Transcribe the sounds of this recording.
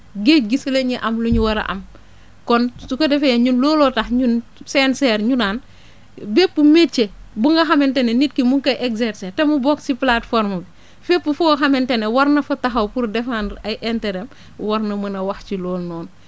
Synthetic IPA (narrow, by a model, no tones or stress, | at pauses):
ɡeːɡisleɲiʔɐmluɲuwɐɾɐ̰ʔɐ̰m | kɔnsukɐdɛfejɛɲunlɔːlɔtɐxɲunsɛnsɛɾɲunaːn | bepːumet͡ʃːebuŋɡɐxɐmɛntɛnenit̚kimuŋkɐʔeksɛɾsetɛmubɔːksiplatfɔɾmɐbi | fepːufuxɐmɛntɛnewɐɾnɐfɐtɐɦɐwpuɾdɛfanɐjʔentɛɾɛm | wɐrnɐmɐnɐwɐxt͡ʃilɔːlnɔːn